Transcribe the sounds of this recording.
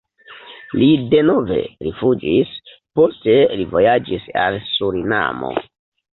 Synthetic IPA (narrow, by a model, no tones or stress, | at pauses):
lide̞no̞ve̞̰ɾifud͡ʒis | po̞ste̞livo̞jad͡ʒisalsuɾina̰mo̞̰